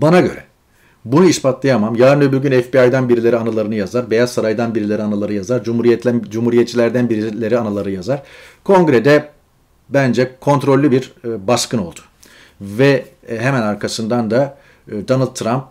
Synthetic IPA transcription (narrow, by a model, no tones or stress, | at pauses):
banaɟø̞̰ɾɛ | bunuispʰat̪lˠajamamjaːɾɯnebylʲɟʲynɛfbiajd̪anbiɾilʲeɾianalˠaɾɯnɯjazaɾbe̞jazsaɾajd̪anbiɾilʲeɾianalˠaɾɯjazaɾd͡ʒumuɾijɛtd͡ʒumhuɾijɛt̪t͡ʃʰilʲæɾd̪ænbiɾilʲe̞ɾianalˠaɾɯjazaɾ̥kʰo̞ŋɡɾɛd̪ɛ | bænd͡ʒɛkʰo̞nt̪ɾo̞lʲːybiɾbaskɯno̞̰lˠd̪̥ʊ̥ | vɛ | ɦɛmænaɾkʰasɯnd̪and̪a | d̪anɯlˠt̪ʰːɾamp̚